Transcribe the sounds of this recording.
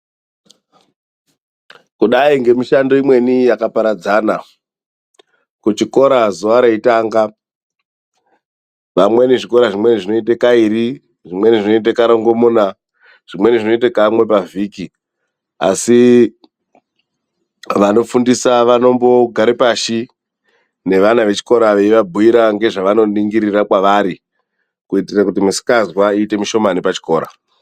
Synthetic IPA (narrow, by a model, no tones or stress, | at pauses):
kuɗaiŋɡe̞miʃando̞imwe̞nijakapaɾad͡zaːna | kut͡ʃiko̞ɾazuʋaɾeitaːŋɡa | ʋamwe̞neʐiko̞ɾaʐimwe̞niʐino̞it̬ekaiɾi | ʐimweneʐino̞it̬akaɾoŋɡomona | ʐ̥imwe̞niʐino̞it̬akamwe̞paviːki | a̰si | ʋano̞fundisaʋano̞mbo̞ɡʱaɾipaʃi | ne̞ʋanaʋe̞t͡ʃi̥ko̞ɾaʋe̞iʋabʱuiɾaŋɡe̞ʐaʋano̞niŋɡiɾirakwaʋaɾi | kuitirakutimusi̥kazwaiːte̞miʃo̞manepat͡ʃi̥ko̞ːɾa̰